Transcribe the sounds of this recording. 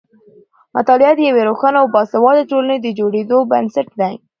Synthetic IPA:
at̪ɑljɑt̪d̪əjaweɾoxɑnaawbɑsawɑd̪aʈoləned̪əd͡ʒoɽed̪obənsaʈ̚d̪aj

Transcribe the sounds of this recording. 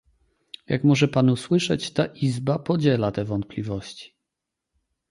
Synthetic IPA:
jakmɔʐɛpanuswɘʂɛt͡ɕt̪aʔizbapɔd͡ʑɛlat̪ɛvɔnt̪̚plʲivɔɕt͡ɕi̥

